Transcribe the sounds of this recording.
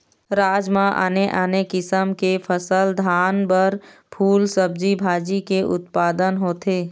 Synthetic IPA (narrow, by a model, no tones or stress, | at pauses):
ɾaːd͡ʒmãʔa̰ːneʔaːnekɪsəmkepʰəsəld̪ʱaːnbəɾpʰuːlsəb̚d͡ʒibʱaːd͡ʒikeʔʊ̰t̪paːd̪ənɦoːt̪eː